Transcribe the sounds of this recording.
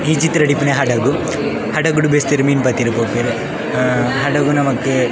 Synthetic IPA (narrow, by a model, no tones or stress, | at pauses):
id͡ʒit̪ːɾɐɖipːuneɦɐɖɐɡu | hɐɖɐɡuɽubest̪iɾmiːnpɐt̪ːiɾupoːpeɾ | ɦɐɖɐɡunɐmɐkːɨ